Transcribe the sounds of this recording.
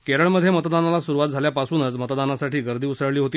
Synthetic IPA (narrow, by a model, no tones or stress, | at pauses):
keɾəɭməd̪ʱːjemət̪d̪analasuɾuʋat̪̚d͡zʱaljapasuːnət͡smət̪d̪anasaʈiːɡəɾd̪ʱiːusəɭliːɦot̪iː